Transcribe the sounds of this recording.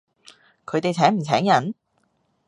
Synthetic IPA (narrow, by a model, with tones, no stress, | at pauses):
kʰɵ˨˧ɥt̪e˨jt͡sʰɛː˨˥ŋm̩˨˩t͡sʰɛː˨˥ŋjɐ˨˥n